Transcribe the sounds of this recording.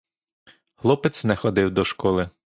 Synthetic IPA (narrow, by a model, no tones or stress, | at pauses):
ɣlˠɔpɪt̪sʲnɛxɔd̪ɪwd̪ɔʃkɔlˠɪ